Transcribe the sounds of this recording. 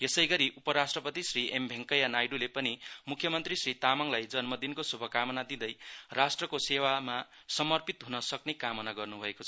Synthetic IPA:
jesʌjɡʌɾiʔupʌɾasʈrʌpʌt̪isriʔembʱeŋkʌjanajɖulepʌnimukʰjʌmʌnt̪risrit̪amʌŋlajd͡zʌnmʌd̪inkosubʱʌkamʌnad̪id̪ʌjrasʈrʌkosewama | sʌmʌrpit̪ɦunʌsʌknekamʌnaɡʌrnubʱʌekot͡sʰʌ

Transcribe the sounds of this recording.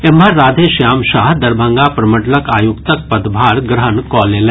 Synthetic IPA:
eməɾːaːd̪ʱeʃjaːmʃaːɦd̪ɐɾbʱə̃ŋɡapɾɐməʈləkaːjʊkt̪ək̚pɐd̪bʱaːɾɡɾəɦənkɔːleːlɛ̃ː

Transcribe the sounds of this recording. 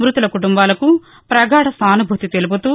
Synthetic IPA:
mɾut̪ulɐkuʈumbaːlɐku | pɾɐɡaːɽɐsaːnubʱut̪it̪elup̬ut̪uː

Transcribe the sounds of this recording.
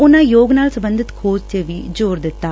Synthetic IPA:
ʊnãːjoːɡnaːlsəbə̃nd̪ɪt̪kʰoːd͡ʒt͡ʃeʋiːd͡ʒoːɾd̪ɪt̪ːaː

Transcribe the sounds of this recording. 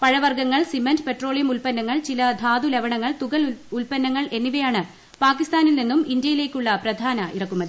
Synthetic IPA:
pɐɻɐʋɐrɡɐŋːɐɭsimɐndpe̞ʈro̞ːɭijɐmulpɐnːɐŋːɐɭt͡ɕilɐd̪ʱaːd̪uleʋɐɳɐŋːɐɭt̪uɣɐɭulpɐnːɐŋːɐɭʔe̞nːiʋɐjaːɳɨ | paːkːist̪aːnilninːumind̪jɐjile̞ːkʲːuɭːɐprɐd̪ʱaːnɐʔḭrɐkːumːɐðɨɨ

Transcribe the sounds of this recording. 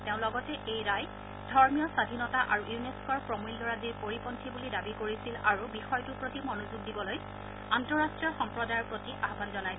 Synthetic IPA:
teʊ̃lɔɡɔtɛʔejɹaj | dʱɔɹmijɔsadʱinɔtaʔaɹujuneskɔɹpɹɔmulːɔɹadiɹpoɹipɔntʰibulidabikoɹisilaɹubixɔjtupɹotimɔnozuɡ̚dibɔloj | antɔɹastɹijɔɹxɔmpɹɔdajɔɹpɹotiʔaɦbanzɔnaj

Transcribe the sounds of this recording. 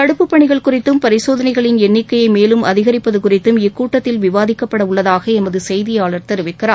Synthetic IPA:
k̪ɐɽɯpːɯpːɐɳɪɣɐɭkʊrɪt̪ːɯmpɐɾɪsoːðɐnɐɪɣɐɭɪnɛnːɪkːɐjɐɪmeːlɯmʔɐðɪɣɐɾɪpːɐðɯkʊrɪt̪ːɯmɪkːuːʈːɐt̪ːɪlʋɪʋaːðɪkːɐpːɐɽɐʊɭːɐðaːɣɐɛmɐðɯsɛjðɪjaːɭɐɾt̪ɛɾɯʋɪkːɪraː

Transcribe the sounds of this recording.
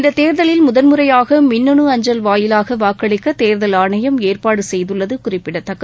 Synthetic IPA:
ɪnd̪ɐt̪eːɾðɐlɪlmʊðɐnmɯɾɐjaːɣɐmɪnːɔɳɯɐɲd͡ʒɐlʋaːjɪlaːɣɐʋaːkːɐɭɪkːɐt̪eːɾðɐlaːɳɐjɐmeːrpaːɽɯsɛjðɯɭːɐðɯkʊrɪpːɪɽɐt̪ːɐkːɐ

